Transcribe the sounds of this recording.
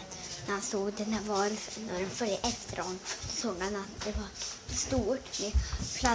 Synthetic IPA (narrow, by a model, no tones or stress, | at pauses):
næɾhansoːɡd̪ɛnæɾvɑɾnæɖɛnfœljəʔɛft̪ʰəɾhɔnːd̪ɔsoːɡhanat̪̚d̪ɛvɑst̪uːʈmɛpʰla